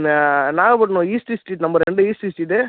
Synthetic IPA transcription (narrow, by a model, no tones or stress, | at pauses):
naːɣɐpɐʈːɐnõiːsʈisʈiːʈnɐmbɐɾɛɳɖɯiːsʈiːsʈiʈɯ